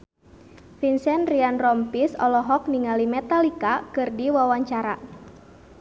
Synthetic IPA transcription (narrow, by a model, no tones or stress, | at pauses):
finsɛnrianrɔmpisɔlɔɦɔk̚niŋalimɛt̪alikakɨrdiwawaɲt͡ʃaɾa̰